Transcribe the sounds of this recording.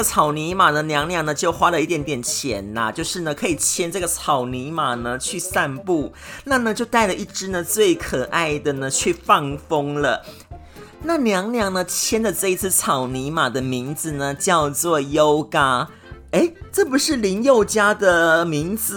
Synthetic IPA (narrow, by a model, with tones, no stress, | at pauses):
t͡sʰɑ˨˩ʊni˧˥ma˨˩nə˦njɑ˧˥ŋljɑ˧˥ŋnə˦t͡ɕjo˥˩ʊxwa˥lə˨i˥˩t̪jɛ˨˩˥nt̪jɛ˨˩nt͡ɕʰjɛ̰˨˧˦nlɐ̰˦t͡ɕjo˥˧ʊʂɻ̩˥˩nə˩kʰɤ˧˥i˨˩t͡ɕʰjɛ˥nʈ͡ʂɤ˥˩ɡə˩t͡sʰɑ˨˩ʊni˧˥ma˨˩nə˦t͡ɕʰy˥˧sa˥˧npu˥˩na˥˩nə˨t͡ɕjo˥˧ʊt̪a˥˩ɪlə˩i˥˩ʈ͡ʂɻ̩˥nə˨t͡swe˥˩ɪkʰɤ˨˩ʔa˥˩ɪd̪ə˩nə˩t͡ɕʰy˥˧fɑ˥˩ŋfo˥ŋlə˨ | na˥˩njɑ˧˥ŋljɑ˧˥ŋnə˧t͡ɕʰjɛ˥nd̪ə˨ʈ͡ʂɤ˥˧i˧˥t͡sʰɹ̩˥˩t͡sʰɑ˨˩ʊni˧˥ma˨˩d̪ə˦mi˧˥ŋd͡zɹ̩˨nə˩t͡ɕjɑ˥˧ʊt͡swɔ˥˩jo˥ʊka˥ | e˥ɪʈ͡ʂɤ˥˩pu˧˥ʂɻ̩˥˩li˧˥njo˥˩ʊt͡ɕja˥d̪ə˨mi˧˥ŋd͡zɹ̩˨